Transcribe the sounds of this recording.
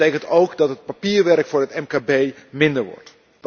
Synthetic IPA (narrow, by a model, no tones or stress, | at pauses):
ejkəntowkdɑtɦət̚papiːɹʋɛrkfʊːɹɦətɛmkaːbejmɪndəɹʋɔ̰ɹt